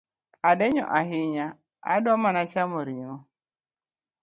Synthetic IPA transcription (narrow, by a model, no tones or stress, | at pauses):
adɛɲɔ̰ʔaɦiɲa | a̰dɔmanat͡ʃamɔɾiŋɔ